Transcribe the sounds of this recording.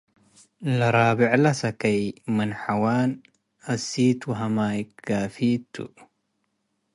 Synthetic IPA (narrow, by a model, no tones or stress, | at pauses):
lɐɾabiʕlɐsɐkʰɐjmɨnħawan | ɐsit̪wɐɦɐmajɡafit̪ʰːṵʔ